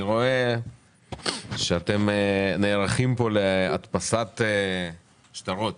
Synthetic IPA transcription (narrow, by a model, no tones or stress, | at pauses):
iʁo̞e | ʃeat̪e̞meneːʁaχimpo̞lea̰t̪pasat̪e | ʃt̪aʁot̪